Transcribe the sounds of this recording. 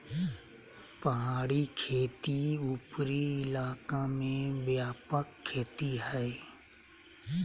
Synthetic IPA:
pəɦaːɽikʰeːt̪iupɾiɪlaːkamẽbjaːpəkʰːeːt̪iɦɛː

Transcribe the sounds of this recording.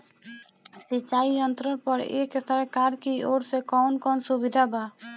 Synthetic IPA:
sɪt͡ʃaːijənt̪ɾəpəɾḛːksəɾkaːɾkioːɾsekɔːnkɔːnsubɪd̪ʱabaː

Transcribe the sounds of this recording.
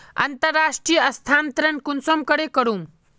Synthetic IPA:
ɐ̰nt̪əɾːaʂʈɾijəɐst̪ʰant̪ɾəɳkunsomkəɽekəɾuːm

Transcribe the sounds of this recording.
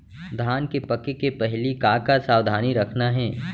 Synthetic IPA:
d̪ʱaːnkepɐkekepɛɦlikaːkasaːwd̪ʱaːniɾɐkʰnaɦɛ̃ː

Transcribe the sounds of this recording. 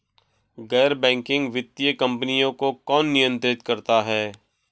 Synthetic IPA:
ɡɛːɾbɛ̃ːŋkɪ̃ŋɡʋɪt̪ːijəkə̃mpənijõkokɔːnːɪjə̃nt̪ɾɪt̪kɐɾt̪aɦɛː

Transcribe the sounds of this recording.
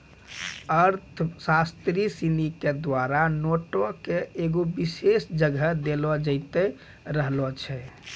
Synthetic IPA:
əɾt̪ʰsast̪ɾisiniked̪waɾanoʈokeeɡobisesd͡ʒəɡʱəd̪elɔd͡ʒəɪt̪ɛ | ɾəɦlɔt͡ʃʰɛ

